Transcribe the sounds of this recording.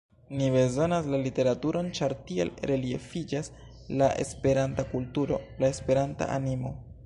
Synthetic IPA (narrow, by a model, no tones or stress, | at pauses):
nibe̞zo̞naslalite̞ɾatuɾo̞nt͡ʃaɾtiḛlɾe̞lie̞fid͡ʒas | laʔe̞̰spe̞ɾantakultuɾo̞laespe̞ɾanta̰ʔa̰nimo̞